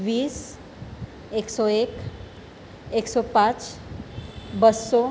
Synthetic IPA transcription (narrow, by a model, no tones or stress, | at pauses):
ʋiːs | eksɔek | eksɔpãt͡ʃ | bəsɔ